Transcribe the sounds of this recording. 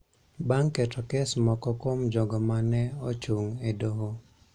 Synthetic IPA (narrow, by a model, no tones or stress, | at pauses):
baŋkɛtɔkɛsmɔkɔkomd͡ʒɔɡɔmanɛot͡ʃuŋedoɦo